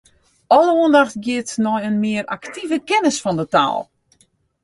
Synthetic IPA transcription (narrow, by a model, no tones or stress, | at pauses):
ɔlˠəuəndaxtɡjɪtnɔjənmɪəra̰ktivəkɛnəsfɔndəta̰ːlˠ